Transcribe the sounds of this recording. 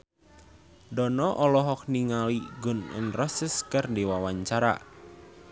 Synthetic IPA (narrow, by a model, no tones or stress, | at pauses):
dɔnɔʔɔlɔɦɔk̚niŋaliɡʊnɪ̰nrɔsəskərdiwawaɲt͡ʃaɾa̰